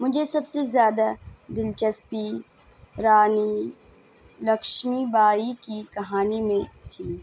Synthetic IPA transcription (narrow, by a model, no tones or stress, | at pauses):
mʊd͡ʒʱesɐbsezjaːd̪ad̪ɪlt͡ʃəspi | ɾaːni | lɐkʃmibaːikikɐɦaːnimẽt̪ʰiː